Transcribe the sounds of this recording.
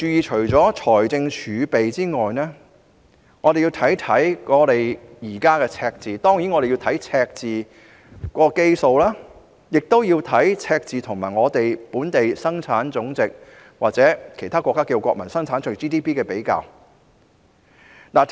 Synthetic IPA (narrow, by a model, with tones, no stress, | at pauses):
t͡ʃyː˨˧jiː˨t͡ʃʰɵ˨˩ɥt͡sɔː˨˥t͡ʃʰɔː˨˩jt͡sɪ˧ŋt͡ʃʰyː˨˧pe˨jt͡siː˥ŋɔː˨jnɛː˥ | ŋɔː˨˧ɾe˨jiː˧wt̪ʰɐ˨˥jt̪ʰɐ˨˥jkɔː˨˧ɾe˨˩jjiː˨˩kaː˥kɛː˧t͡sʰɛː˧k̚t͡siː˨t̪ɔː˥ŋjiː˨˥nŋɔː˨˧ɾe˨ji˧wt̪ʰɐ˨˥jt͡sʰɛː˧k̚t͡siː˨ | kɔː˧ke˥jso˨˧wlaː˥ | jɪ˨k̚t̪o˥wjiː˧wt̪ʰɐ˨˥jt͡sʰɛː˧k̚t͡siː˨t̪ʰʊ˨˩ŋmaː˨˩jŋɔː˨˧t̪e˨jpuː˨˥nt̪e˨jsɐ˥ŋt͡sʰaː˨˥nt͡sʊ˨˥ŋt͡sɪ˨k̚ | waː˨k̚t͡sɛː˨˥kʰe˨˩jt̪ʰaː˥kɔː˧kːaː˥kiː˧wkʷɔː˧k̚mɐ˨˩nsɐ˥ŋt͡sʰaː˨˥nt͡ʃʰɵ˨˩t͡ʃiː˥t̪iː˥pʰiː˥kɛː˧pe˨˥jka̰ː˧w | naː˨˩